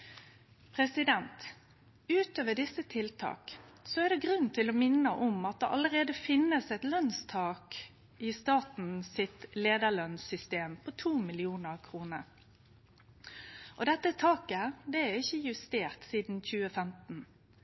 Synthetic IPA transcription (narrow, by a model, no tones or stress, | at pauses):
pʰʁɛsɪd̪ɛnt̪ | ʉːt̪øːʋəɖɪsːət̪ʰɪlt̪ʰɑ̰ːksɔæʁd̪ɛɡʁʉnt̪ʰɪlɔmɪnːəʔɔmɑt̪̚d̪ɛʔɑ̰ləɾeːd̪əfɪnːəsɛt̪lœnst̪ʰɑːk | ɪst̪ɑːt̪n̩sɪt̪leːd̪əɭœnsʏst̪eːmpʰɔt̪ʰuːmɪlɪuːnəʁkʰʁuːnəɾ | ʔɔd̪ɛt̪ːət̪ʰɑːkəd̪ɛæɪçːəjʉst̪eːʁt̪siːd̪n̩çʉːəfɛmt̪n̩